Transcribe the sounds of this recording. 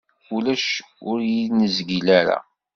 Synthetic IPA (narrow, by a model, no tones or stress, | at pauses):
ulæʃ | ʊɾjinəzɡilæɾa̰